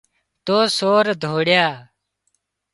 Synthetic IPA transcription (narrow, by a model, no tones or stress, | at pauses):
t̪oːsoːɾd̪ʱoːɽjaː